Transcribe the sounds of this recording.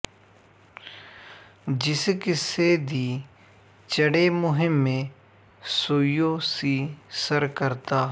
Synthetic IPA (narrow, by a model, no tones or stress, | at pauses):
d͡ʒɪskɪseːd̪iː | t͡ʃəɽeːmʊɦɪmːẽː | soːjoːsiːsəɾkəɾt̪aː